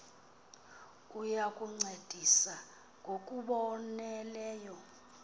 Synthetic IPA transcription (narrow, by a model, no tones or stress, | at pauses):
ujakʼuŋ͡ǀed̥ʱisa | ŋɡʱokʼuɓɔnɛlɛːjɔ